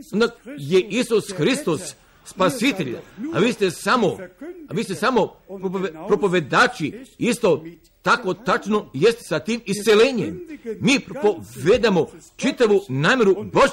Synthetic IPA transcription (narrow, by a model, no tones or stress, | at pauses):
ond̪aje̞ʔisusxɾist̪osː | pasit̪eʎ̰a̰ʋiːst̪e̞samoaʋiːst̪esamo̞ppɾo̞poʋe̞d̪aːt͡ʃiist̪o̞ | t̪ako̞t̪at͡ʃno̞jest̪e̥sat̪iːmist̪seleɲḛmmiːpɾopoʋed̪amo | t͡ʃit̪aʋunaːmʲje̞ɾuboʒ